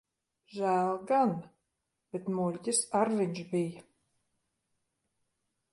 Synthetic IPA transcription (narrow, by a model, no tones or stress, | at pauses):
ʒæːlˠɡan | b̥et̪mulʲcʲisaɾviɲʒbija